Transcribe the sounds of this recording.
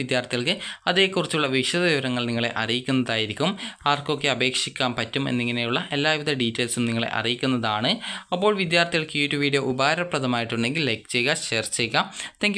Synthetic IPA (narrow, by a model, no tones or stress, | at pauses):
id̪jaːrt̪iɣɐɭkɨɐðeːkːurit͡ɕːuɭːɐʋiʂɐðɐʋiʋɐɾɐŋːɐɭniŋːɐɭe̞̰ʔɐ̰rijikʲːunːɐðaːjiɾikʲːumaːrko̞kːeɐbe̞ːkʂikʲːaːmpɐtːume̞̰nːiŋːɐne̞juɭːɐʔe̞lːaːiʋiðɐɖiːtːɐːlsumniŋːɐɭe̞̰ʔɐ̰rijikʲːunːɐðaːɳɨɐpːo̞ːɭʋid̪jaːrt̪iɣɐɭkjuːtːuʋijɽe̞ʔubaːɾɐprɐðɐmaːjiʈːuɳɖe̞ŋɡilːɐjk̚t͡ɕejɣaɕeːrt͡ɕːejɣɐt̪ːeŋɡ